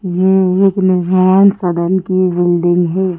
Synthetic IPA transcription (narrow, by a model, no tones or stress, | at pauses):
jeeknɪɾmaːnsəd̪ənkibɪlɖɪ̃ŋɡɦɛː